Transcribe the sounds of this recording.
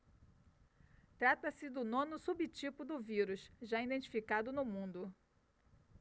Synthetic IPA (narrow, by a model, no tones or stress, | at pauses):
t̪ɾat̪ɐsɪd̪ʊnõnʊsubit͡ʃipʊd̪ʊviɾʊʃʒaĩd̪ẽnt͡ʃi̥fikad̪ʊnʊmũnd̪ʊ